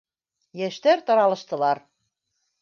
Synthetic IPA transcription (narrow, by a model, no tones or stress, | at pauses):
jæʃt̪æɾt̪ɤ̆ɾɑlɤ̆ʃt̪ɤ̆lɑɾ